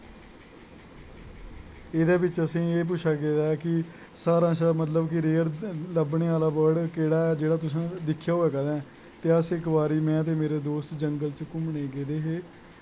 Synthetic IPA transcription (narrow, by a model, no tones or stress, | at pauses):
ɪd̪aːbɪt͡ʃəsĩːeːp̬ʊʃʰaːɡeːd̪aːɛkɪ | saːɾãːsːmət̪̬ləbkɪɾeːɾləbɳeːaːlaːbəɽkeːɽaːɛːd͡ʒeːɽaːt̪̬ʊsãːd̪ɪkʰːjaːoːɛːkəd̪ɛ̃ː | t̪eːəsɪkʋaːɾiːmɛ̃ːət̪̬eːmeːɾeːd̪oːst̪d͡ʒəŋɡəlt͡ʃkʊmɳeːɡeːd̪eːɦeː